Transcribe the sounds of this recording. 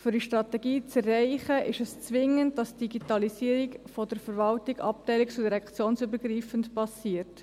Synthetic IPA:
fʏɾiʃtɾɑtɛɡiːt͡sɛrːɛɪχəʔɪʃɛst͡sʋɪŋənd̚dɑsd̥iɡitɑlisiːɾikfɔdəɾfəɾvɑltiɡɑ̰p̚tɛɪlikt͡sudiɾɛkt͡sjoːnsybəɾɡriːfəntpɑsiːəɾt

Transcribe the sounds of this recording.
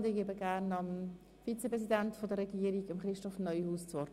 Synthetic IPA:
dɪkeːbəɡæɾnɑm | fit͡sepʁɛs̬idæntfɔdəɾɛɡiːəɾiɡɑmχɾɪʃtɔfnœʏhuːst͡sʋɔɾt

